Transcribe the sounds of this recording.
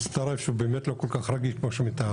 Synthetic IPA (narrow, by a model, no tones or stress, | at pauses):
st̪aɾafʃeubeːmet̪lokolkaχɾaɡiʃkmoʃemit̪a